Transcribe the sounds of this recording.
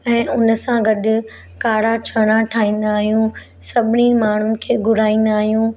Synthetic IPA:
ɛ̃ːʊnəsãɡɐɗʊ̆ | kaːɽat͡ɕʰɐɽ̃aʈʰaːĩːn̆d̪aːɦijũ | sɐbʱɪnimaːɳ̤ʊnɪ̆kʰeːɡʊɽ̤aːĩːn̆d̪aːɦijũ

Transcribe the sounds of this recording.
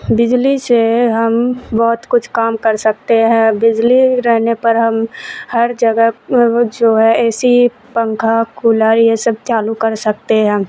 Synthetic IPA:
bɪd͡ʒliseɦɐmbɔːt̪kʊt͡ʃʰkaːmkɐɾsɐk̚t̪eɦɛ̃bɪd͡ʒliɾɛɦnepɐɾɦɐmhɐɾd͡ʒɐɡəɦd͡ʒoːɦɛ̃ɛːsi | pə̃ŋkʰakuːləːɾjesəb̚t͡ʃ̪aːlukɐɾsɐkt̪eɦɛ̃ː

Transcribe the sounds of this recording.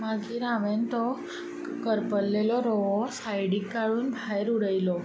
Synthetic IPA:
maɡiɾãʋent̪ɔ | kəɾpəlːelɔɾɔʋɔsajɽikːaɭuːnbʱajɾuɽəjlɔ

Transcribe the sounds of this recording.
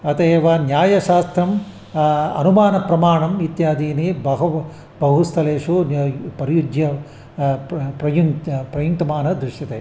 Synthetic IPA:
ɐt̪eːʋɐnjaːjɐʃaːst̪ɾɐm | ɐ̰numaːnɐpɾɐmaːɳɐmit̪jaːd̪iːnibɐɦɐ | bɐɦust̪ʰɐleːʂupɐɾijud̪jɐ | pɾɐjuŋpɾɐjuŋt̪ɐmaːnɐd̪ɾuʃjɐt̪eː

